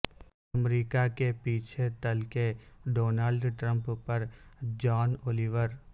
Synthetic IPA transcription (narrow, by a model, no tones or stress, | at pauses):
ɐmɾiːkakepiːt͡ʃʰet̪əlkeɖoːnaːlɖʈɾə̃mppɐɾd͡ʒɔːnoːliːʋəɾ